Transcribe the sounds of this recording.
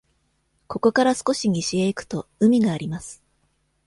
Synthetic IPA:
ko̞ko̞kaɾasɨ̥ko̞ɕiɲ̟iɕieikɯ̟̥t̪o̞ɯ̟mʲiɡaːɾʲimasɨ̥

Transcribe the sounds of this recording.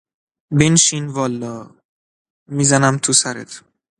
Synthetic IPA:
benʃinvɒːlːɒː | mizænæmt̪ʰusæɾḛt̪ʰ

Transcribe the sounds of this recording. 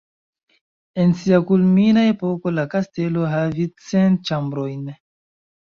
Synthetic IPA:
e̞nsiakulminae̞po̞ko̞lakaste̞lo̞ɦavit͡sent͡ʃambɾo̞jn

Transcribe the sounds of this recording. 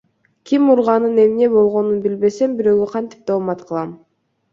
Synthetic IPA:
kʲʰimuɾʁɑnɯne̞mne̞bo̞lˠʁo̞nunbilbe̞se̞mbiɾø̞ɡøqʰɑnt̪i̥p̚t̪ʰomɑt̪qʰɯlˠɑm

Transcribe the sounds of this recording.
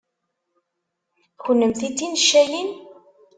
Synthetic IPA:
çənːəmθit͡sːinʃːæjin

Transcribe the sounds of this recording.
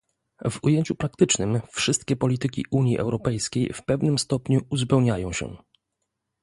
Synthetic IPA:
vṵjeɲt͡ɕupɾak̚t̪ɘt͡ʂnɘmfʂɘst̪̚kʲɛpɔlʲit̪ɘkʲḭʔuɲjiʔɛ̰wɾɔpɛjskʲejfpɛvnɘmst̪ɔpɲuuzpɛwɲajɔ̃w̃ɕɛ̰

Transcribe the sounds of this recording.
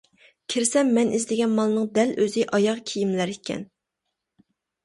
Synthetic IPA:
kʲʰɪɾsɛmːɛnʔizd̪ɪɡʲɛnmɑlˠnɨŋd̪ɛløzɪʔɑjɑʁkʲʰijimlæɾikʲʰɛ̰n

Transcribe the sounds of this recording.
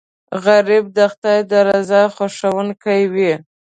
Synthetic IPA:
ɣaɾib̚d̪axt̪ajd̪əɾazɑxaʂawənkajwi

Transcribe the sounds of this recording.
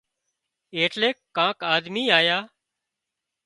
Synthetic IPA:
eːʈleːkːãːkaːd̪miːaːjaː

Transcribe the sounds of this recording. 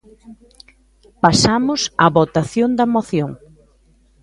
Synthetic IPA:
pasamʊsaβot̪aθjond̪ɐmoθjoŋ

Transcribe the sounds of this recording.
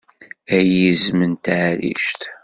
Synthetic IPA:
æjizmənt̪ʕɾḭʃt̪

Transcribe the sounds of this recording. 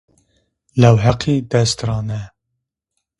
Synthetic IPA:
lɛwɦɛqʰid̪ɛst̪ɾɑːnɛ

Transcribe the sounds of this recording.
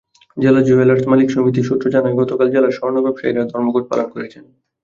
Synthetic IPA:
d͡ʑelad͡ʑuelaɾt̪malikʃomit̪̬iʃut̪ːɾod͡ʑanaeɡɔt̪okald͡ʑelaʃɔɾonobɛbʃaiɾaɾd̪ʱɔɾmoɡoʈ̚pa̰lonkoɾet͡ɕʰen

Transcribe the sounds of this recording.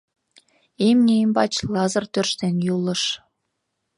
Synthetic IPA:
emnʲeimʲbɑt͡ɕlˠɑzɤ̆rt̪ʲørʃt̪enʲjulˠɤ̆ʂ

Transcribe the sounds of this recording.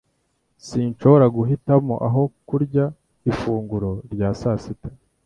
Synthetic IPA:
siːnʃo̞βo̞ɾaɡuɦitamo̞̰ʔaɦo̞kuɾɟa | ifuːŋɡuɾo̞ɾɟaːsaːsitḁ

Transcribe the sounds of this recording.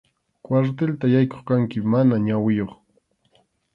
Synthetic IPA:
kwaɾt̪elt̪ajajko̥χkaŋkɪmanaɲawɪjoχ

